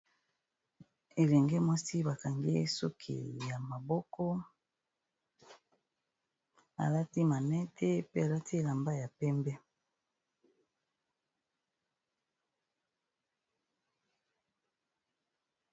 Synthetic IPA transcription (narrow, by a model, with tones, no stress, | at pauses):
e˨lɛ˨ŋɡɛ˦mwa˦si˦ba˨ka˨ŋɡḛ˦so˦kʰḭ˨ja˨ma˨bɔ˦kɔ˦ | a̰˨la˦ti˦ma˨nɛ˦tʰɛ˦pe˦a˨la˦ti˦e˨la˨mba˦ja˨pɛ˦mbɛ˦